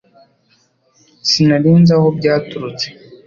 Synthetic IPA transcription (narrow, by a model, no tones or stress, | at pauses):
sinaɾiːnzaho̞bɟaːtuɾut͡se